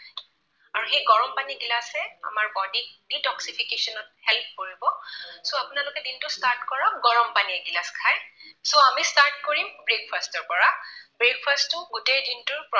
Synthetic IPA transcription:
aɹuxejɡɔɹɔmpaniɡilasɛa̰maɹbɔdik̚ditɔksipʰikesɔnɔt̚hɛlp̚ʰkoɹibɔsoapʊnalʊkɛdintʊstaɹtkɔɹɔɡɔɹɔmpaniɛɡilaskʰajsoamistaɹt̚koɹimbɹek̚pʰastɔɹpɔɹabɹek̚pʰastʊɡutejdintʊɹpɹɔ

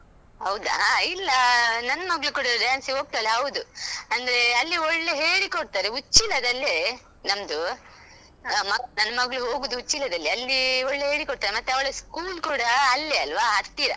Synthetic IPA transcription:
ɦɐwd̪ɐ̰ilːɐnɐnːɐmɐɡɭukuɽɐɐɾeɐnsiɦo̞ːɡ̚t̪aːleɦɐwd̪uɐnd̪ɐɾe̞ɐlːiɔɭːeɦeːɽikoɽt̪aːɾeut͡ʃːilɐd̪ɐlːe | nɐmd̪u | mɐɡnɐnːɐmɐɡɭuɦo̞ːɡuːd̪uut͡ʃːilɐd̪ɐlːiɐlːiɔɭːeɦe̞ːɽikoɽ̚t̪aːɾemɐt̪ːeɐʋɐɭeskuːlkuːɽɐːlːeɐlʋaɦɐɾt̪iːɾɐ

